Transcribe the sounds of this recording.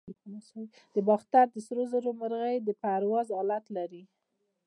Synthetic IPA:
nasawi | d̪̥əbɑxt̪aɾd̪əsɾozaɾomaɾɣəjd̪əpaɾwɑzɑlat̪laɾi

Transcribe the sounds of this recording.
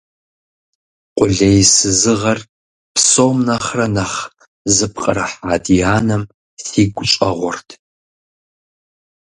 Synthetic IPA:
qʷʼʊɮejsɨzɨʁɐr | pʰsomnɐχrɐnɐχ | zɨpqʼərɐħaːdijaːnɐm | θiːɡʷʊt͡ʃʼɐ̰ʁʷɔrtʰ

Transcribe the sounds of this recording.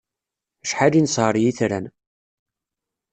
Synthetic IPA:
æʃħalinsʁəɾˤjiθɾæ̰n

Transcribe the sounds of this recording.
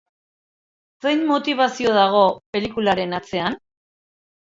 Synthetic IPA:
se̞jnmo̞t̪iβ̞asio̞ðaɣ̞o̞pe̞likulaɾe̞nat͡se̞an

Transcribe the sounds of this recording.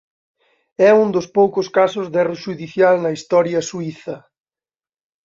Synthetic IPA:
ɛund̪ospowkʊskasʊzðɛrʊʃuðiθjalnɐist̪ɔɾjɐsuiθɐ

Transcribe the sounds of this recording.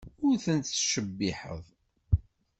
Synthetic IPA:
ʊɾθənt̪ʃəbːɪħə̰ðˤ

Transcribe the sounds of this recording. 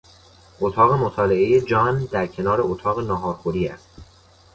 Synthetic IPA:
ʔot̪ʰɒːɣe̞mot̪ʰɒːle̞ʔe̞jed͡ʒɒːnd̪æɾcʰe̞nɒːɾe̞ot̪ʰɒːɣenɒːɦɒːɾxoɾiːæ̰st̪

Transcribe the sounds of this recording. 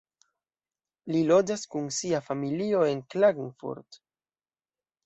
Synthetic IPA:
lilo̞d͡ʒaskunsiafamilio̞e̞nklaɡŋfṵɾt

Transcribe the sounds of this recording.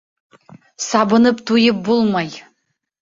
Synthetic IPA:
sabɨnɨptʰujɪp̚bulˠmaj

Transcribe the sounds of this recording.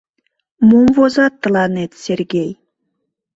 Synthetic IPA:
mumvozɑt̪ːə̆lˠɑnet̪sʲerɡʲej

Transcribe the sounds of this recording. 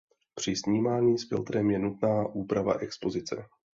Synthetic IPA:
pr̝̥ɪsɲiːmaːɲiːsfɪlt̪ɾɛmjɛnut̪̚naːʔuːpɾava̰ʔɛkspo̞zɪt͡sɛ̰

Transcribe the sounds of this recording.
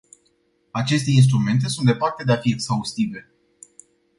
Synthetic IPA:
at͡ʃe̞st̪e̞ins̬t̪ɾume̞nt̪̬e̞sunt̪d̪e̞part̪ed̪eafieksaust̪ive̞

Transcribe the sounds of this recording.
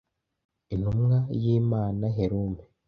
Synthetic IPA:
in̥humŋajiːmaːnaɦeɾume

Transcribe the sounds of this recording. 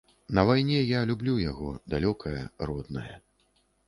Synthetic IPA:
nɐvajnʲɛjalʲublʲujaɣɔd̪alʲɔkʰɐjɐ̰rɔd̪nɐjɐ

